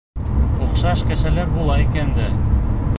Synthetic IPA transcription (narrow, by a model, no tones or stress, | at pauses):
uqʃɑʃkæ̆ʃælæɾbulˠɑikænd̪æ